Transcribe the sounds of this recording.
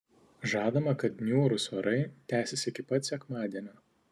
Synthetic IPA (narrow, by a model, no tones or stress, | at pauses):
ʒɑːd̪ɐmɐkɐt̪nʲuːɾʊsʋɐɾɐɪt̪ʲæːsʲɛsʲɪɪkʲɪpɐt̪ʲsʲɛkmɑːd̪ʲiɛnʲoː